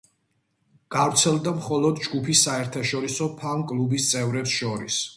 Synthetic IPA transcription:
ɡ̥avɾt̪sʰɛlˠd̪amχɔlˠɔd̪d͡ʒɡupʰisːaɛɾt̪ʰaʃɔɾisɔpʰaŋkʼlˠubist̪sʼɛvɾɛpsʃɔɾḭs

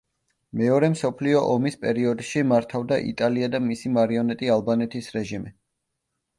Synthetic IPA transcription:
mɛɔɾɛmsɔpʰliɔʔɔmispʼɛɾiɔd̪ʃimaɾt̪ʰavd̪aʔḭt̪ʼaliad̪amisimaɾiɔnɛt̪ʼialˠbanɛt̪ʰisɾɛʒimi

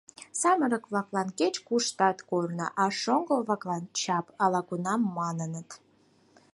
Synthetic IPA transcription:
sɑməɾəkβlɑklɑnket͡ɕkuʃt̪ɑt̪kornə̰ʔɑʃoŋɡəlβlɑklɑnt͡ɕɑpɑlɑkunɑmːɑnənət̪

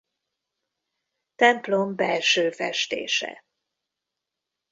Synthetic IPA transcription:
t̪ɛmplombɛlʃøːfɛʃt̪ḛːʃɛ̰

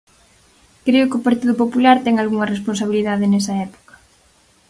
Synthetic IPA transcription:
kɾeʊkɪopaɾt̪iðʊpopulaɾt̪ɛŋalɣuŋɐresponsaβ̞iliðaðɪnɛsɐɛpo̥kɐ̥

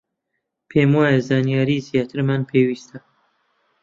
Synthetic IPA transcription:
pʰeːmwɑːjezɑːnijɑːɾiːzijɑːt̪ʰɨɾmanpʰeːwiːst̪ʰa

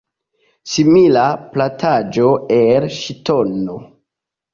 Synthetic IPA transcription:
similaplatʰad͡ʒo̞elʃitono

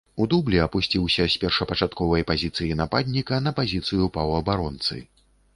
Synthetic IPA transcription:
ud̪ublʲiɐpusʲt͡sʲiwsʲɐsʲpʲɛrʂɐpɐt͡ʂat̪kɔvɐjpazʲit̪sɨjinapad̪ʲnʲikɐnɐpazʲit̪sɨjupɐwɐbaɾɔnt̪sɨ̰

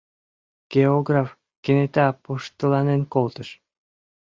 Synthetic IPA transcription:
ɡ̥eoɡraf | kenet̪æpoʃt̪əlɑnenkolt̪əʃ

